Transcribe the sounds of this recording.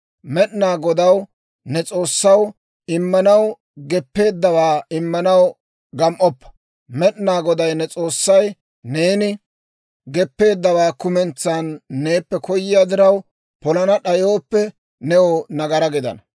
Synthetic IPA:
mɛɗnaːɡɔd̪ɐw | nɛt͡sʼo̞ːsːɐw | ɪmːɐnɐw | ɡɛpːe̞ːd̪ːɐwaːɪmːɐnɐw | ɡɐmʔɔpːɐ̥ | mɛɗnaːɡɔd̪ɐjnɛt͡sʼo̞ːsːɐj | ne̞ːnɪ | ɡɛpːe̞ːd̪ːɐwaːkʊmɛnt͡sːaːnːe̞ːpːɛkɔjːɪjaːd̪ɪɾɐw | pɔlɐnɐɗɐjo̞ːpːɛ | nɛwɔnɐɡɐɾɐɡɪd̪ɐ̰nɐ

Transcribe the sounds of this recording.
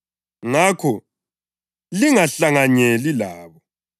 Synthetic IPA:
ŋakʰɔ | liŋaɬaŋaɲelilaːβɔ

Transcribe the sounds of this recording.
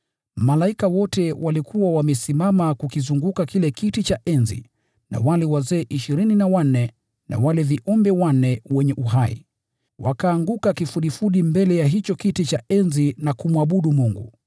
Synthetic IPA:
malaikawɔtɛwʔalikʰuwawamɛsimamakukizuŋɡukakilɛkitit͡ʃaʔɛnzḭ | na̰walɛwazɛːʔiʃiɾininawan̩ːɛ | nʔa̰walɛviʔɔmbɛwan̩ːɛwɛɲɛʔuɦaḭ | wakaːŋɡukakifuɗifuɗimbɛlɛjaɦit͡ʃɔkitit͡ʃaɛnzinakumwaɓuɗumuŋɡṵ

